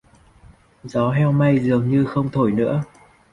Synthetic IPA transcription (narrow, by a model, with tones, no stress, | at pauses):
zɔ˨˦ɦɛ˧wma˧jzɨ˨˩əŋɲɨ˧xə˧wŋ͡mt̪ʰo˧˩jnɨ̰˧˥ə